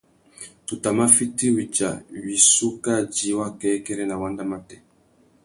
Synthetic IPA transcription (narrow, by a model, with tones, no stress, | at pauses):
tu˨ta˨ma˦fi˦ti˦wi˨t͡ʃa̰˨wi˨su˦ka˦d͡ʒi˨˦wa˦kɛ˦kɛ˦ɾɛ˦na˨wa˦nda˦ma˦tɛ˦